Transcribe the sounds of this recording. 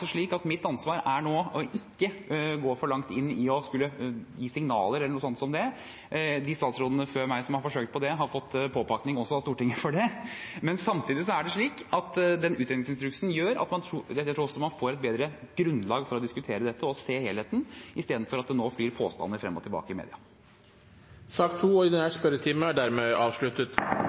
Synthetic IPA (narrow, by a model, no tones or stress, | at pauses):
sɔʂɭiːkɑt̪mɪt̪ːɑnsʋɑːɾæɳoːɔʔɪkːəɡoːfɔɭɑŋkt̪ɪnːɪɔskʉlːəjiːsɪŋnɑ̰ːləɾɛlːəɳuːsɔnt̪sɔmd̪ɛ | d̪ɪst̪ɑːt̪sɾɔd̪ənəføːɾmæɪsɔmhɑɾfɔʂøːk̚t̪̚pʰɔd̪ɛɦɑɾfɔt̪ːpʰoːpʰɑknɪŋɔsːɔɑst̪uːʈɪŋːəfɔɖɛmɛnsɑmt̪ʰiːd̪ɪs̬ɔæɖɛʂɭiːkɑt̪d̪ɛnʉːt̪ɾɛnɪŋsɪnst̪ɾʉksnjøːɾɑ̰t̪mɑnt̪ʰɾuæt̪ʰɾuːɾɔsɔmɑnfoːɾɛt̪̚beːd̪ɾəɡ̥ɾʉnd̪lɑːɡfɔɾɔd̪ɪskʉt̪ʰeːɾəd̪ɛt̪ʰːəɔseːheːlheːt̪n̩ɪst̪eːd̪n̩fɔɾɑt̪̚d̪ɛnoːfliːɾpʰo̰ːst̪ɑ̰nːəfɾɛ̰mːɔ̰t̪ʰɪlbɑ̰ːkəɪmḛːd̪ɪ̰ɑ | sɑːkt̪ʰːuːɔɪd̪ɛnhæspœɾət̪ʰiːməæɖæɾmeːɑːʋʂɭʉt̪ət̪